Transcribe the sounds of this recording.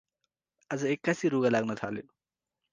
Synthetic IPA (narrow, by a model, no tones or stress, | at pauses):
azɯekːasiɾuɡɐlak̚nat̪ʰale